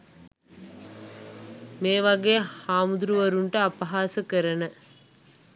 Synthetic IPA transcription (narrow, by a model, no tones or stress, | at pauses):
meːʋɐɡeːhaːmud̪ɾuʋɐɾuɳʈəapɐɦaːsəkəɾənə